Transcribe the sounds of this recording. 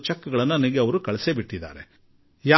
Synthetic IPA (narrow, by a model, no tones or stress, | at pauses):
t͡ʃɐkːɐɡɐɭɐnːɐɐniɡeɐʋɐɾukɐɭɛsebiʈːid̪a̰ːɾe | jaː